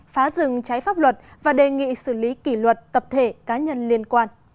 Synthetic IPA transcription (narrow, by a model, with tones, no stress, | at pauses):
faː˨˦zɨ˨˩ŋt͡ɕaː˨˦jfaː˦˥p̚lwə˨˩t̚vaː˨˩ɗe˨˩ŋḭ˧˨sɨ˧˩li˨˦ki˧˩lwə˨˩t̚t̪ə˨˩p̚t̪ʰe˧˩kaː˨˦ɲə˧nli˧ənkwaː˧n